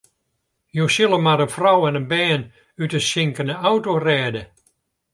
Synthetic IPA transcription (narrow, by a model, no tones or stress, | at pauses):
josɪlˠəmaɾənfrɔwɛnənbɛːn | ytəsɪŋkənəɔwtorɛːdə